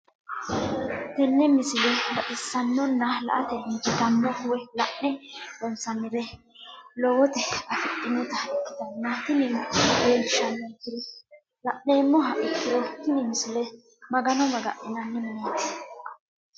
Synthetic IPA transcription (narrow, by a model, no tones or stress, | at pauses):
t̪ɛnːɛmɪsɪlɛbɐʔɪsːɐnːɔnːɐlɐ̰ʔɐt̪ɛmɪt͡ʃːɪt̪ɐnːɔhʊwɛlɐʔnɛd̪ɔnsɐmɪɾɛ | lɔwɔt̪ɛɐfɪtːɪnːɔt̪ɐɛɪkːɪ̥d̪ɐnːɐt̪ɪnɪbeːdɪʃɐnːɔkːɪd̪ɛ | lɐʔnːeːmːɔɦɐʔɪkːɪd̪ɔt̪ɪnɪmɪsɪlɛ | mɐɡɐnɔmɐɡɐ̰ʔːɪnɐnːɔmɪneːt̪ːɪ̥